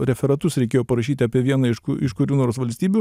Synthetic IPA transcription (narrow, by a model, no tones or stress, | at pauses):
ɾʲɛfʲɛɾɐt̪ʊsɾʲɛɪkʲeːjoːpɐɾɐʃʲiːt̪ʲɪɐːpʲiɛʋʲiɛnɐɪʃkʊɾʲuːnoːɾoːsʋɐlʲsʲt̪ʲiːbʲu